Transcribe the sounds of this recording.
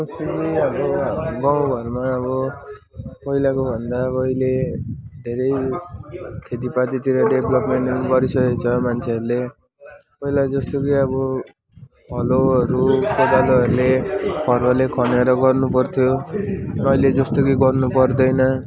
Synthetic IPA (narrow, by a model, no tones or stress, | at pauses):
ʌst̪okijʌbʌɡaw̃ɡʱʌrmaʌβʌ | pʌilakobʱʌnd̪aʌiled̪ʱeɾʌj | kʰet̪̬ipat̪it̪iɾʌɖebʱlʌpmeɳʈʌɾuɡʌɾisʌket͡sʰʌmant͡sʰeʌɾule | pʌilad͡zʌst̪okijʌbʌ | ɦʌloʌɾukʰod̪aloʌɾulepʰʌrbalekʰʌneɾʌɡʌrnupʌrt̪ʰjo | ʌiled͡zʌst̪okiɡʌrnupʌrd̪ʌjnʌ